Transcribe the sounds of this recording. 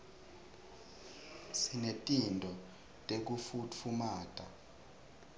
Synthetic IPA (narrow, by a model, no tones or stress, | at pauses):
sinetʼindʱɔ | tʼek̬ufufumaːtʼa